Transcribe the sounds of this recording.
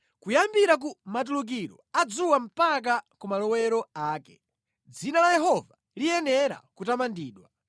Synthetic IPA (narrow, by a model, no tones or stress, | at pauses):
kujambiɾak̬umat̬uluk̬iɾɔad͡zuwam̩pak̬akumalɔwɛɾɔaːkɛ | d͡zinalajɛɦɔva | lijɛnɛɾa̰kutamandiːɗwa